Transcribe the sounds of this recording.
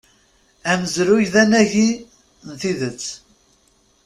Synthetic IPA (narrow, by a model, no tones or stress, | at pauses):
æməzɾʊjðænæʝi | nθiðət͡sː